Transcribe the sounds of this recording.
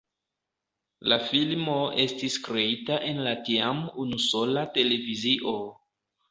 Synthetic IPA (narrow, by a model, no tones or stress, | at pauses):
lafilmo̞e̞stiskɾe̞itaʔe̞nlatiamunuso̞late̞le̞viziʔo̞